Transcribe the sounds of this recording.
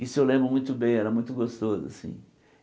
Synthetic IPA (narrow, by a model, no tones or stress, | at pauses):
isʊewlẽmbɾʊmũj̃t̪ʊbẽj̃ɛɾɐmũj̃t̪ʊɡost̪ozʊa̰sḭ̃